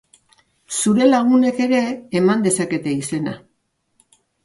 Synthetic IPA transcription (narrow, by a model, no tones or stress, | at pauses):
suɾe̞laɣ̞une̞ke̞ɾe̞ːmand̪e̞sake̞t̪e̞ise̞na̰